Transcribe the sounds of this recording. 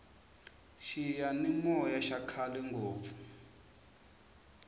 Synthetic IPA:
ʃijanimɔjaʃakʰalɛŋɡʱoːvu̥

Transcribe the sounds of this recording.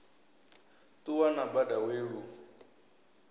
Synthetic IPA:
tuwanabadaweːɺu

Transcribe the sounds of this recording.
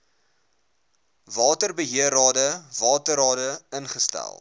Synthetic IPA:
vɑːtərbəɦiəɾɑːdəvɑːtəɾɑːdəənχəstæ̰lˠ

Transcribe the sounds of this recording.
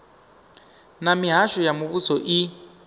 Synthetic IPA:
namiɦaʃɔjamuβusɔʔi

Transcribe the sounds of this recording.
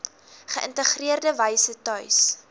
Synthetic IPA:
χəʔəntəχriərdəvəjsətœɥs

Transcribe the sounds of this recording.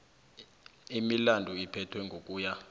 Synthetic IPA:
imilandʱuipʰɛtʰwɛŋɡʱokʼuːja

